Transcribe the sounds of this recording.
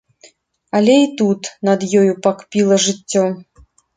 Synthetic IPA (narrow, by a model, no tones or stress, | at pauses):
ɐlʲɛit̪ut̪nɐd̪jɔjupakpʲilˠɐʐɨtʲːɔ